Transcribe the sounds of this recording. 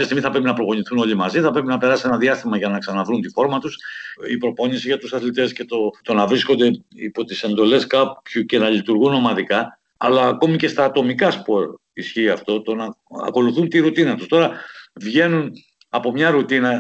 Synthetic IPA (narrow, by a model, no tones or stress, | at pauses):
jɐst̪iɣmiθɐpɾe̞pinɐpɾo̞ɣo̞ɲiθuno̞ʎimɐziθɐpɾe̞pinɐpe̞ɾɐsie̞nɐðiɐst̪imɐʝɐnɐksɐnɐvɾunt̪ifo̞ɾmɐt̪usḭpɾo̞po̞ɲisiʝɐt̪usɐθlit̪e̞sce̞t̪o̞t̪o̞nɐvɾisko̞nd̪e̞ḭpo̞t̪ise̞nd̪o̞le̞skɐpçuce̞nɐʎit̪uɾɣunːo̞mɐðikɐː | lɐːko̞mice̞st̪ɐːt̪o̞mikɐspo̞ɾ | isçiːɐft̪o̞t̪o̞nɐɐ̰ko̞luθunt̪iɾut̪inɐt̪ust̪o̞ɾɐvʝe̞nun | ɐpo̞mɲɐɾut̪inɐ